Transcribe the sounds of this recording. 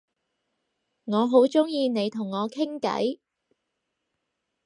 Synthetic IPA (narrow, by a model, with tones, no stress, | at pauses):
ŋɔː˨˧ɦo˨˥wt͡ʃʊ˥ŋjiː˧ne˨˧jt̪ʰʊ˨˩ŋːɔː˨˧kʰɪ˥ŋkɐ̰˨˥j